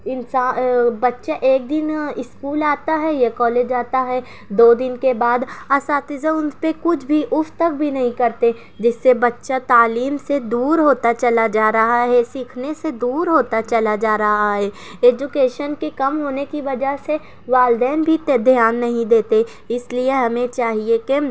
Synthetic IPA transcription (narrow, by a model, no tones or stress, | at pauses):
ɪnsaːbɐtːʃaʔeːk̚d̪ɪnɪskuːlaːt̪aɦɛjekɔːleːd͡ʒaːt̪aɦɛ | d̪oːd̪ɪnkebaːd̪ɐsaːt̪ɪzaʊnpekʊt͡ʃʰbʱiʔʊft̪ək̚bʱinɐɦĩkɐɾt̪e | d͡ʒɪsːebɐtːʃat̪aːliːmsed̪uːɾɦoːt̪at͡ʃɐlad͡ʒaːɾɐɦaɦɛsiːkʰnesed̪uːɾɦoːt̪at͡ʃɐlad͡ʒaːɾɐɦaɦɛː | eːd͡ʒʊkeːʃənkekɐmɦoːnekiʋɐd͡ʒaɦse | ʋaːld̪ɛːnbʱit̪d̪ʱjaːnːɐɦĩd̪eːt̪e | ɪslieɦɐmẽt͡ʃaːɦieke